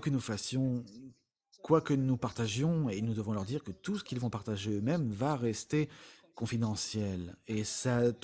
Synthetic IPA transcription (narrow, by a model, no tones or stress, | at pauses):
kənufasjɔ̃ | kwakənupaʁt̪aʒjɔ̃enud̪əvɔ̃lœʁd̪iʁkət̪usə̥kʲilvɔ̃paʁt̪aʒeømɛmvaʁɛst̪ekɔ̃fid̪ɑ̃sjɛlesa